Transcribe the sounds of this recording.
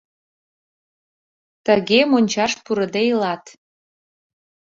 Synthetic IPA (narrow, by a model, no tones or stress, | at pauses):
t̪əɣemonʲt͡ɕɑʃpuɾə̆d̪ejlɑt̪